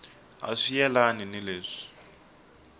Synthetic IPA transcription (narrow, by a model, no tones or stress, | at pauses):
a̰ʂijɛlaninileːʂi̥